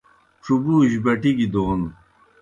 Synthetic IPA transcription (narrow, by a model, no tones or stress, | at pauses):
ʈ͡ʂubuːʑbɐʈiɡid̪oːn